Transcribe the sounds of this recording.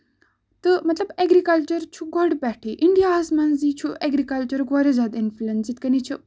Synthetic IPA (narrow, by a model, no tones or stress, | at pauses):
t̪ɨmɐt̪lɐbeɡɾikɐlt͡ɕəɾt͡ʃʰuɡɔɖpɛʈʰiʔiɳɖijaɦɐsmɐnzit͡ʃʰueɡɾikɐlt͡ɕɐɾɡɔɾed͡zad̪influensit̪kɐnit͡ʃʰi